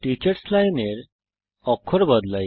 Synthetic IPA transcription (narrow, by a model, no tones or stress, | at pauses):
ʈit͡ɕəɾslajneɾ | ɔkʰɔɾbəd̪laj